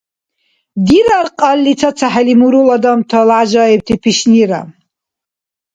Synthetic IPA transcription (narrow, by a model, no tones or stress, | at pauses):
d̪iɾarqʼalːit͡sʰat͡sʰaħalimuɾulad̪amt̪ʰalʕaʒajɛb̚t̪ʰipʰiʃniɾa̰